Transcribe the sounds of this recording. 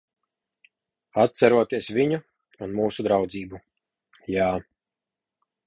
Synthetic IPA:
at̪sæɾuɔt̪iɛsvʲiɲu | unmuːsud̪ɾawd̪ziːbu | jaː

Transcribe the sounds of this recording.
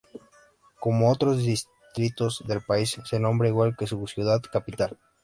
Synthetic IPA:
ko̞moot̪ɾo̞zðis | t̪ɾit̪o̞zðe̞lpaisːe̞nõ̞mbɾaiɣwalke̞susjuðaðkapit̪al

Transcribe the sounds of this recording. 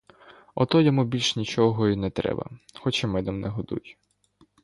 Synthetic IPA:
ɔt̪ɔjɔmubʲilʲʃnʲit͡ʃɔɦɔinɛt̪ɾɛ̰bɐ̰xɔt͡ʃimɪd̪ɔmnɛɦɔd̪ṵj

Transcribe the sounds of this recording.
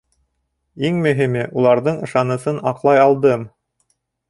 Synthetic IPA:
iŋmɵ̆ɦimɘʔulˠɑɾðɤɴɤ̆ʃɑnɤ̆sɤnɑqlˠɑjɑlˠd̪ɤm

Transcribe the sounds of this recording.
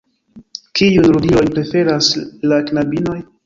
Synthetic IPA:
kijunɾudiojpɾe̞fe̞ɾaslaknabino̞j

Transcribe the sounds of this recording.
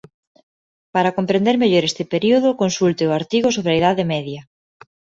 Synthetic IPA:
paɾɐkompɾẽnd̪eɾmeʎoɾest̪ɪpeɾioð̞ʊkonsult̪ɪʊaɾt̪iɣosoβɾeɐiðaðɪmɛðjɐ

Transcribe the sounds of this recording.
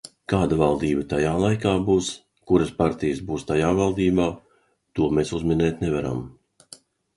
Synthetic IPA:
kaːd̪avalˠd̪iːbat̪ajaːlˠajkaːbuːs | kuɾaspaɾt̪ijəsbuːst̪ajaːvalˠd̪iːbaː | t̪uɔmeːsuzminɛːt̪nevaɾa̰m

